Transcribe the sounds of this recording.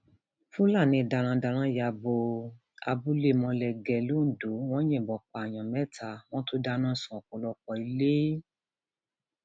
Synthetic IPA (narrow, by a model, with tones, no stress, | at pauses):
fũ˦la˦˨nĩ˧˨da˧ɾ̃ã˧da˧ɾ̃ã˧˦ja˧˨bo˧ | a̰˧bu˧˦le˦˨mɔ̃˧lɛ˨ɡɛ˨lo˦n̩˦˨do˨˦w̃ɔ̃˦j̃ɛ̃˦˨bɔ˨k͡pa˨j̃ã˨mɛ̃˨˦tʰa˧w̃ɔ̃˦to˦da˧˦nã˦˨sũ˨ɔ˨ko˨˦lɔ˧k͡pɔ˧˨i˧le˦